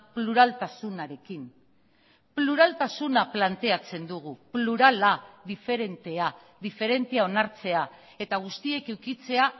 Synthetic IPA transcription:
pluɾalt̪asunaɾe̞kin | pluɾalt̪asunaplant̪e̞at͡se̞nd̪uɣ̞upluɾalaðife̞ɾe̞nt̪e̞a | ðife̞ɾe̞nt̪eao̞naɾt͡se̞a | e̞t̪aɣ̞ust̪ie̞kewkit͡se̞a

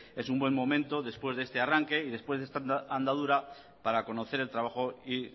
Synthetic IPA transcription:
e̞sumbwe̞mmõ̞mẽnt̪o̞ðe̞spwezðest̪e̞araŋke̞iðe̞spwe̞zðest̪aand̪að̞uɾa | paɾako̞no̞θe̞ɾe̞lt̪ɾaβ̞axo̞i

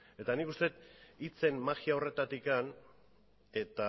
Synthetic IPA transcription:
e̞t̪anikust̪e̞t̪it͡se̞nmaɣiao̞re̞t̪at̪ikan | e̞t̪a

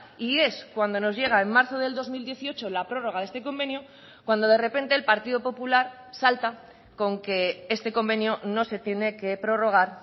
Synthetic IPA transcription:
ie̞skwand̪o̞no̞zʝe̞ɣ̞aemmaɾθo̞ðeld̪o̞zmild̪je̞θio̞t͡ʃo̞lapɾo̞ro̞ɣ̞aðe̞st̪e̞k̬o̞mbe̞nju | kwand̪o̞ðe̞re̞pe̞nt̪e̞ːlpaɾt̪iðo̞po̞pulaɾ | salt̪a | ko̞ŋke̞e̞st̪e̞ko̞mbe̞njono̞se̞t̪je̞ne̞ke̞pɾo̞ro̞ɣ̞aɾ

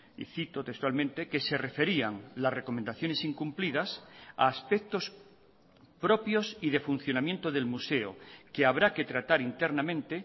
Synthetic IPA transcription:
ḭθit̪o̞t̪ekst̪walmẽ̞nt̪e̞ke̞se̞re̞fe̞ɾiaŋlasre̞ko̞mend̪aθjo̞ne̞siŋkumplið̞asa̰ːspek̚t̪o̞s | pɾo̞pjo̞siðe̞fun̟θjo̞namje̞nt̪oðe̞lmuse̞o̰keaβɾake̞t̪ɾat̪aɾint̪e̞ɾnamẽnt̪e̞

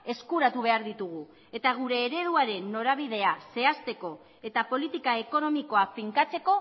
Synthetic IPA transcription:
e̞skuɾat̪uβ̞e̞aɾðit̪uɣ̞u | e̞t̪aɣ̞uɾe̞ːɾe̞ð̞uaɾe̞nːo̞ɾaβ̞iðe̞ase̞ast̪e̞ko̞ | e̞t̪apo̞lit̪ikae̞ko̞no̞miko̞afiŋkat͡se̞ko̞

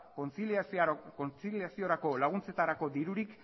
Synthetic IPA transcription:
ont͡silkot͡silijasio̞ɾako̞laɣ̞unt͡se̞t̪aɾako̞d̪iɾuɾik

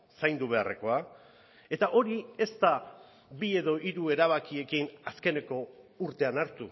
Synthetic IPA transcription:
sajnd̪uβ̞e̞a̰re̞ko̞a | e̞t̪aʔo̞ɾie̞st̪a | bie̞ðo̞ʔiɾue̞ɾaβ̞akie̞kinaske̞ne̞ko̞uɾt̪e̞anaɾt̪u

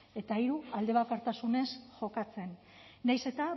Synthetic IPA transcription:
e̞t̪aiɾuald̪e̞β̞akaɾt̪asune̞sʝo̞kat͡se̞nː | ajse̞t̪a

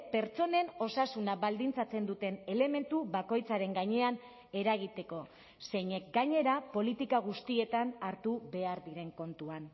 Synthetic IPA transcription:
pe̞ɾt͡so̞ne̞no̞sasunaβald̪int͡sat͡se̞nd̪ut̪e̞ne̞le̞me̞nt̪uβako̞jt͡saɾe̞ŋɡaɲe̞an | e̞ɾaɣ̞it̪e̞ko̞ | se̞jɲe̞k̚ɡaɲe̞ɾapo̞lit̪ikaɣ̞ust̪ie̞t̪anaɾt̪uβe̞aɾðiɾe̞ŋko̞nt̪uan

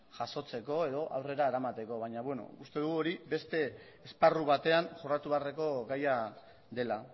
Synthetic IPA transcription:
ʝaso̞t͡se̞ko̞e̞ðo̞ʔawre̞ɾaeɾamat̪e̞ko̞βaɲaβweno̞̰ust̪e̞ðuɣuo̞ɾibe̞st̪e̞ː | sparuβat̪e̞anʝorat̪uβeareko̞ɣaja | d̪e̞la

